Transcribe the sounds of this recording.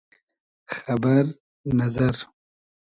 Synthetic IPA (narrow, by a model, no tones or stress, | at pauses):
xabaɾ | nazaɾ